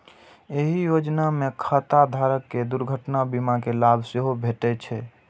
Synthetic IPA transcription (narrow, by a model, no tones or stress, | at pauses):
eɦijod͡ʒnamekʰət̪ad̪ʱaɾəkːed̪uɾɡʱəʈnabimakelabʱseɦobʱeʈɛt͡ʃʰɛ